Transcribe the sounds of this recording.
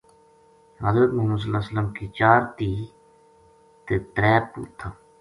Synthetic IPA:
ɦəzɾət̪mʊɦmuːd̪s̬əlːaːsəlːəmkiːt͡ʃaːɾt̪iː | t̪eːt̪ɾɛːpṵt̪ʰːa

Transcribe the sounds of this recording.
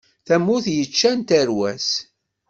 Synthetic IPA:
θæmːʊθjət͡ʃːænt̪əɾwæs

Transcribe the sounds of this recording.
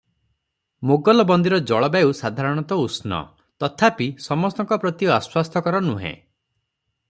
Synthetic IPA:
moɡɔlɔbɔnd̪iɾɔd͡ʒɔɭɔbausad̪ʱaɾɔɽ̃ɔt̪ɔusnɔ̰ | t̪ɔt̪ʰapisɔmɔst̪ɔŋkɔpɾɔt̪iɔaswast̪ʰɔkɔɾɔnuɦḛ̃

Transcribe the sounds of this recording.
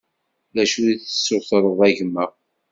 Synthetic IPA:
ðæʃujiθə̥sːʊθɾˤəðˤæʝəmːəʁ

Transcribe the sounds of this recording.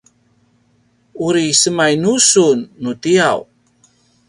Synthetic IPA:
uɾisəmajnusunːutiaw

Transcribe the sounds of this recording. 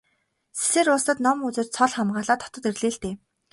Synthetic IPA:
se̥seːɾʊːst̪ə̆t̪nɔmut͡sɘ̆t͡ɕsʰɔɮχamɢaːɮaːt̪ʰːɔ̥t̪ɞ̆t̪erɮeːɬt̪eː

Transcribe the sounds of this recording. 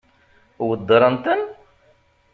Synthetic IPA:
wəd̪ːɾˤənt̪ən

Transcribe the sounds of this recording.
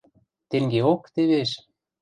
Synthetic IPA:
t̪eŋɡeokt̪eβeʃ

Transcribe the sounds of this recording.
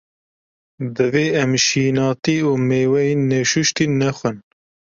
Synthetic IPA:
d̪ɨveːɛmʃiːnɑːt̪iːuːmeːwɛinɛʃuʃt̪iːnɛxʷɨn

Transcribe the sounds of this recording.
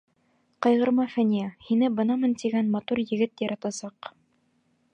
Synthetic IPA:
qɑjʁɤ̆ɾmɑfænijæhinɘbɤnɑmɤnt̪iɡænmɑt̪uɾjɘ̆ɡɘt̪jɑɾɑt̪ɑsɑq

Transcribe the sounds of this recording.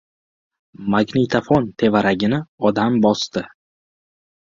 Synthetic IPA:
maɡnit̪ʰafɒnt̪ʰe̞vaɾaɡʲɪnɪɒd̪ambɒst̪ɪ

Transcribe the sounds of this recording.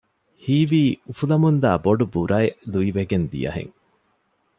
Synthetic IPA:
hiːʋiːufulɐmund̪æːboɖubuɾɐeluiʋeɡend̪ḭjɐ̰ɦḛŋ

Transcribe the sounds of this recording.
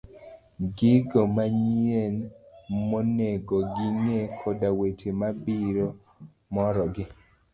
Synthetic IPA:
ɡɪɡɔmaɲienmoneɡɔɡɪŋekʰodawetemabiɾo | mɔɾɔɡɪ

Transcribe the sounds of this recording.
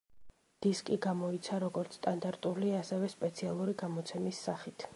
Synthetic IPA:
d̪̥iskʼiɡamɔit̪sʰaɾɔɡɔɾt̪sʰst̪ʼand̪aɾt̪ʼuliasɛvɛspʼɛt̪sʰialˠuɾiɡamɔt̪sʰɛmisːaχit̪ʰ

